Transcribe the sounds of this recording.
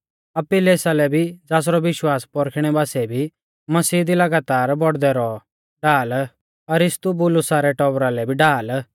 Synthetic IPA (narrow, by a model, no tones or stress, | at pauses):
ɐpːɪleːsalɛbʱid͡zaːs̬ɾɔʋɪʃwaːspɔɾkʰɽ̃ɛbaːsɛbʱi | mɐsiːd̪ilɐɡaːt̪aːɾbɔɽd̪ɛɾɔ | ɖaːl | ɐɾɪst̪ubʊlʊsaɾɛʈɔbɾalɛbʱiɖaːl